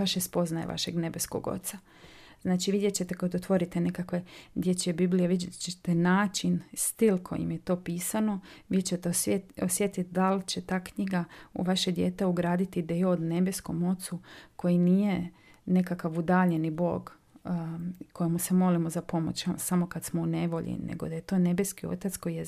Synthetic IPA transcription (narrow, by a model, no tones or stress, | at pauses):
ʋaʃespo̞znajḛʋa̰ʃḛɡne̞be̞sko̰ɡo̰t̪sa | z̥naːt͡ʃiʋid̪jet͡ɕe̞t̪ekad̪ot̪ʋo̞ɾit̪ene̞kakʋed̪jet͡ʃebiblijeʋidet͡ʃet̪enaːt͡ʃinst̪ilˠkʰo̞̰jḭmjet̪o̞ːpiːsano̞ʋit͡ʃet̪osjet̪it̪d̪alt͡ɕe̞t̪aːkɲiɡaṵʋaʃed̪jeːt̪euɡɾaːd̪it̪id̪ejood̪ne̞be̞sko̞̰mo̞t̪suko̞jinije̞ | ne̞kakaʋud̪aːʎenibo̞ːɡ | kʰojemusemo̞limozapo̞mo̰t͡ɕsamo̞kad̪smoune̞ʋo̞ʎḭnḛɡo̞d̪aje̞t̪o̞ːne̞beskio̞̰t̪at̪sko̞jije